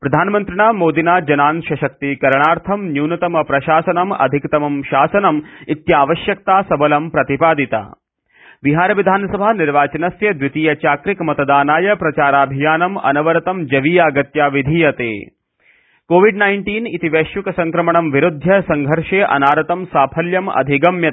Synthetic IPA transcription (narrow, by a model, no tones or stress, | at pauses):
pɾɐd̪ʱaːnmɐnt̪ɾiɳaːmoːd̪inaːd͡ʒɐnaːnʃɐʃɐk̚t̪ikɐɾɳaːɾt̪ʰɐmnjuːnɐt̪ɐmɐpɾɐʃaːsɐnɐmɐ̰d̪ʱikt̪ɐmɐmʃaːsɐnɐmit̪jaːʋɐʃjɐk̚t̪aːsɐbɐlɐmpɾɐt̪ipaːd̪it̪a̰ː | ʋiɦaːɾɐʋid̪ʱaːnɐsɐbʱaːniɾʋaːt͡ʃɐnɐsjɐd̪ʋit̪iːjɐt͡ʃaːkɾikmɐt̪ɐd̪aːnaːjɐpɾɐt͡ʃaːɾaːbʱijaːnɐmɐ̰nɐʋɐɾɐt̪ɐmd͡ʒɐʋiːjaːɡɐt̪jaːʋid̪ʱijɐt̪ḛː | koːʋiɖnɐjɳʈiːnit̪iʋeːʃjukɐsɐŋkɾɐmɐɳɐmʋiɾud̪ʱjɐsɐŋɡʱɐɾʂeːʔɐ̰naːɾɐt̪ɐmsaːpʰɐljɐmɐ̰d̪ʱiɡɐmjɐ